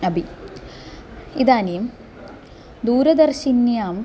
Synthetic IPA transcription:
ɐbi | id̪aːnijm | d̪uːɾɐd̪ɐrʃinjaːm

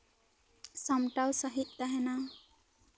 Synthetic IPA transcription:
sʌmʈawsʌɦit̪ːʌɦena

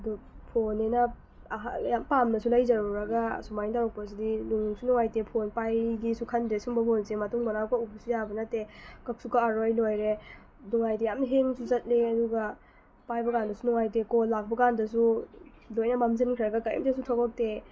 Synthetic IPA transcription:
ɐdupʰonenɐ | ɦjampamnɐsulɐjzɐɾuɾɐɡɐsumajntawɾɔk̚pɐs̬idiluŋsunɔŋajtepʰonpajɡisukʰɐndɾesumbɐpʰonsemɐtuŋmɐnawkaupsujabɐnɐtːekɐk̚sukaaɾojlojɾe | dɔŋajtijamnɐɦeŋsuzɐt̚leɐduɡɐ | pajbɐkandɐsunɔŋajtekolːak̚bɐkandɐsu | lojnɐmamzɐnkʰɾiɾɐɡɐkajḭmtesutʰoɡak̚te

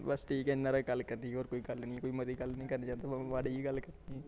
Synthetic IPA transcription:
bəsʈʰiːkɛɪnːãːɾaːɡəlːkəɾniːoːɾkoːiːɡəlnĩːkoːiːməd̪iːɡəlnəĩːkəɾnaːt͡ʃãːnd̪abaʋaːɖiiɡəlkəɾniɛ

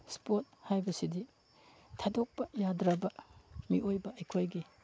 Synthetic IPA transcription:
spot̚hajbɐsidi | tʰadok̚pɐjadɾɐbɐmiʔojbɐɐjkʰojɡi

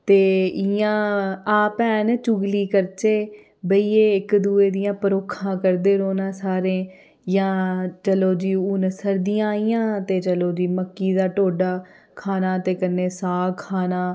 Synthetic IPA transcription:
t̪eːɪjãːaːpɛːnt͡ʃʊɡliːkəɾt͡ʃeː | bəiːeːɪkd̪ueːd̪ɪjãːpəɾoːkʰãːkəɾd̪eːɾoːnãːsaːɾẽː | jãːt͡ʃəloːd͡ʒiːunsəɾd̪ɪjãːijãːt̪eːt͡ʃəloːd͡ʒiːməkːiːd̪aːʈoːɖaː | kʰaːnaːt̪eːkənːeːsaːkʰaːnaː

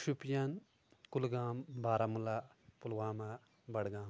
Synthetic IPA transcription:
ʃupjɐn | kulɡaːmbaːɾɐmulapulwaːma | bɐɽɡãːm

